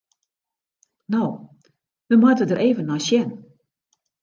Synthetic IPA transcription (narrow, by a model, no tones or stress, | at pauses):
now | ʋəmɔtədərɾʔeːvənːɔjsjɛn